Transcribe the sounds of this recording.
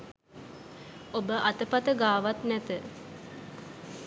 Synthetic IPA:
obəʔat̪əpat̪əɡaːʋat̪nɛt̪ə

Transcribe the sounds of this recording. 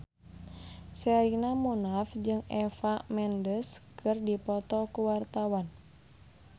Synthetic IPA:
sɛɾinamunafd͡ʒɨŋɛfamɛndəskʰɨrdipɔt̪ɔkuwart̪awan

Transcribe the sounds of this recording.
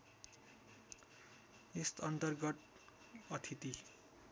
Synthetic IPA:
est̪ʌnt̪ʌrɡʌt̪ | ʌt̪ʰit̪i

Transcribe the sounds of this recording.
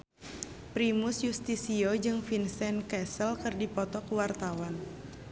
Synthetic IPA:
pɾimʊsjust̪isiod͡ʒɨŋfinsɛnkɛsəlkɨrdipɔt̪ɔkuwart̪awan

